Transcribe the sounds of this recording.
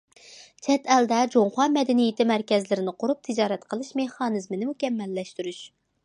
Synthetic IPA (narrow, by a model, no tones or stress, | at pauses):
t͡ʃʰɛt̪ʰɛld̪ɛd͡ʒoŋχɑmɛd̪ɛnijɪt̪ɪmæɾkʲɛzlɪɾɪnɨqʰʊɾup̚t̪ʰɪd͡ʒɑːɾɛt̪qʰəlˠɨʃmeχɑːnɨzmɪnɪmukʲɛmːɛlːɛʃt̪yɾyʃ